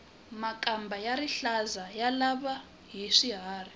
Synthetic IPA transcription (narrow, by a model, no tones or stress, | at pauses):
makʼambʱajaɾiɬazajalaβa | ɦiʂiɦaːri